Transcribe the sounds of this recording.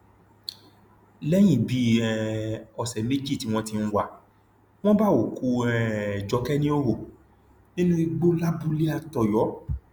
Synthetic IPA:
lɛ˦j̃ĩ˦˨bi˨˦ɛ˧˨ɔ˨sɛ˨me˦d͡ʒi˦˨ti˨˦w̃ɔ̃˦ti˧n̩˦wa˨ | w̃ɔ̃˦ba˦˨o˨ku˨˧ɛ˨d͡ʒɔ˨˧˦kɛ˦nĩ˦o˦ɾo˦˨ | nĩ˦nũ˦i˧ɡ͡bo˦la˦bu˦li˦a˧˨tɔ˨jɔ˨˦

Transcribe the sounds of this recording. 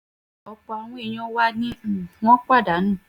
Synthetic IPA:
ɔ˧k͡pɔ˧a˧w̃ɔ̃˦e˦˧˨j̃ɔ̃˦wa˦nĩ˦˨w̃ɔ̃˦k͡pa˦˨da˨˦nũ˦˨

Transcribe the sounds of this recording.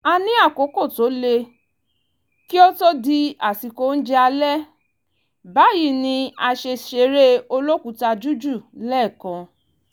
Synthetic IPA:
a˧nĩ˦a˦˨ko˨˦ko˦˨to˨˦le˧ | ki˦o˦to˦di˧a˨ti˨ko˧˦n̩˦d͡ʒɛ˦a˧lɛ˦ | ba˨˦ji˦˨nĩ˧a˧ʃe˧ʃe˧ɾe˦o˧lo˦ku˨˦ta˧d͡ʒu˦d͡ʒu˦˨lɛ˦˨kã˧

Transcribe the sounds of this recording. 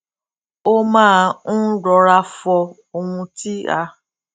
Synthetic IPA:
o˦mãː˦˧˦ɾɔ˨˧ɾa˧fɔ˧ | o˧hũ˧ti˦a̰˧

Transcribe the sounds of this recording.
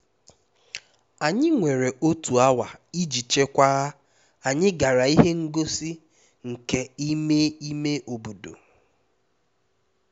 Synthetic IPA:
a˨ɲɪ˦ŋʷe˨ɾe˨ʔo˦tu˨a˦wa˨i˦d͡ʒi˨t͡ʃe˦kʷa˦ɣa˦ | a˨ɲɪ˦ɡa˨ɾa˨i˦ɦe˦ŋ̩˦ɡo˦si˦ | ŋ̩˨ke˦i˦me˦i˦me˦ʔo˨bu˨do̰˨

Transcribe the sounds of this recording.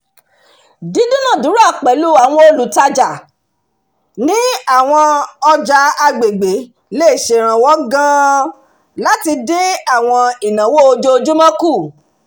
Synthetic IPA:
di˨˦dũ˦nã˦˨du˨˦ɾa˦˨k͡pɛ˨lu˦a˨w̃ɔ̃˧o˧lu˨˦ta˧d͡ʒa˨ | nĩ˦a˦˨w̃ɔ̃˧ɔ˧d͡ʒa˧a˧ɡ͡be˨ɡ͡be˨˦ | le˦˨ʃe˨ɾ̃ã˨wɔ˨˦ɡã˦ | la˦ti˧de˦a˦˨w̃ɔ̃˧i˨nã˨wo˦o˧d͡ʒo˧˦˧d͡ʒu˦mã˦ku˦˨

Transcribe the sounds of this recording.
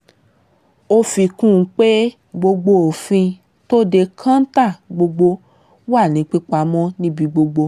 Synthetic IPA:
o˧fi˧kũ˦˨˧k͡pe˦ | ɡ͡bo˧ɡ͡bo˧o˨fĩ˧ | to˦de˧kʰã˦n̩˦ta˦˨ɡ͡bo˧ɡ͡bo˧˦ | wa˦˨nĩ˨˦k͡pi˦k͡pa˧mɔ̃˦nĩ˦bi˧ɡ͡bo˧ɡ͡bo˧

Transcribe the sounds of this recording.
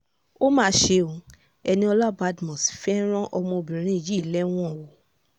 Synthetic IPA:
o˦mãː˦ʃe˧˦o˨ | ɛ˧nĩ˧ɔ˧la˦˨ba˨˦dmɔ̃˨sfɛ˦ɾ̃ɔ̃˦ʔɔ˧mɔ̃˧o˧bĩ˨ɾ̃ĩ˦˨d͡ʒi˦˨lɛ˦w̃ɔ̃˦˨wo˨

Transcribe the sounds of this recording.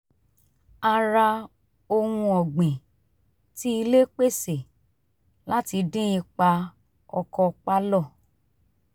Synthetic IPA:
a˧ɾa˧ | o˧hũ˧ɔ˨ɡ͡bẽ˨ | ti˦i˧le˦k͡pe˦˨se˨ | la˦ti˧dĩ˦ĩ˧k͡pa˧ | ɔ˧kɔ˧k͡pa˦lɔ˦˨

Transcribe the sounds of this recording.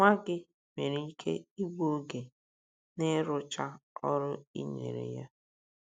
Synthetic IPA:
ŋʷa˦ɡɪ˦ | me˨ɾi˨i˦kʰḛ˦i˦ɡ͡bo˦ɡe˨ | ne˦ɾʊ˦t͡ʃa˦ɔ˦ɾʊ˦ḭ˦ɲḛ˨ɾḛ˨ja˦

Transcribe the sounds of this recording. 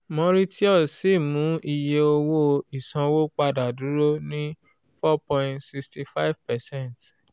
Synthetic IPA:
mɔ̃˧ɾi˦ti˦ɔ˦˨si˦˨mũ˨˦ʔi˧je˧o˧wo˦i˨sã˨˧wo˦k͡pa˧da˨du˨˦ɾo˦nĩ˦ | fɔ˦pɔ̃˨tsi˧ksti˧fa˦i˦vpɛ˨sɛ̃˦˨nt

